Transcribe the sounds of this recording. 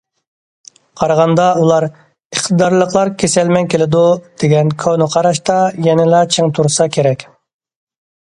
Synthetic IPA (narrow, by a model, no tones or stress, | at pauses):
qʰɑɾɑʁɑnd̪ɑulˠɑɾ | əχt̪ʰəd̪ɑɾlˠəqlˠɑɾkʲʰesɛlmɛnkʲʰelɪd̪ud̪̥eɡʲɛnkʰonɨqʰɑɾɑʃt̪ɑjɛnɪlɑt͡ʃʰeŋt̪ʰuɾsɑkʲʰeɾɛkʲ